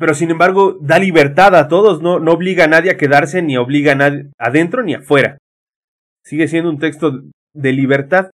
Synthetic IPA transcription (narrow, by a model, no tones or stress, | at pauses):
pe̞ɾo̞sine̞mbaɾɣo̞ðaliβe̞ɾt̪aðat̪o̞ðo̞zno̞no̞ːβliɣanaðjeake̞ðaɾse̞nio̞βliɣanaðaðe̞nt̪ɾo̞nia̰fwe̞ɾa̰ | siɣe̞sjend̪ount̪e̞kst̪o̞ | ðe̞liβe̞ɾt̪að